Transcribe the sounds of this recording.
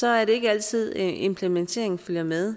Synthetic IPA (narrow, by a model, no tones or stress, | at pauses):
sɒ̽æɐɾe̝e̝ɡ̥əæl̰t͡sʰið̞̰ˠʔe̝mpʰlement͡sʰe̝̰ɐe̝ŋføljɐmeð̞ˠ